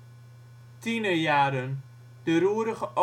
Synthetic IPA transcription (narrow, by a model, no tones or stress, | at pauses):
tinəjaːɾən | d̥əɾuːɾəχəʔo